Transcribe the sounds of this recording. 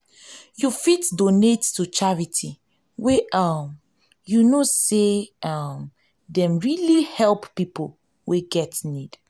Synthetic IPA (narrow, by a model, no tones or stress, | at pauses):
jufitdonetːut͡ʃaɹitʰi | weam | junoseam | dɛ̃mɹilihɛlppipol | weɡɛtnid̥